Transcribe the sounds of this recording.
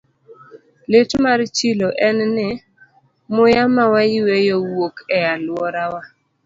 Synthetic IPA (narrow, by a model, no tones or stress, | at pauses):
letmaɾt͡ʃiloʔɛnnɪ | mʊjamawajiwejowokɛalwɔɾawa